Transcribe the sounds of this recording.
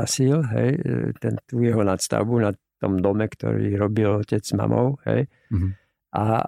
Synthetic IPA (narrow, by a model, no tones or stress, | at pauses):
asilɦɛjt̪ɛnt̪uːjɛɦɔnat̪st̪a̰ʊbunaɔmd̪ɔmɛkt̪ɔ̰ɾḭːɾɔbilɔcɛd͡zma̰mʔɔʊɦɛ̰j | ʔa